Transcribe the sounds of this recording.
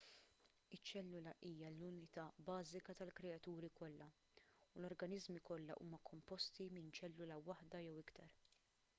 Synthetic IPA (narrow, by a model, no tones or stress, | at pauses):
ɪt͡ʃːɛlːʊlɐʔiːjɐlʊnɪt̪ɐːbɐːzɪkɐt̪ɐlkɾɛɐt̪uːɾikɔlːɐ | ulɔɾɡɐnɪzmikɔlːɐ̰ʔuːmɐkʰɔmpɔst̪imɪnt͡ʃɛlːʊlɐwɐħd̪ɐjɛwɪkt̪ʰɐɾ